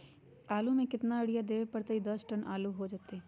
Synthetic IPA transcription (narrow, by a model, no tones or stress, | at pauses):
aːlũmẽkɪt̪naəɽijad̪eːʋepəɾt̪əid̪ɐsʈənʔa̰ːluɦod͡ʒat̪e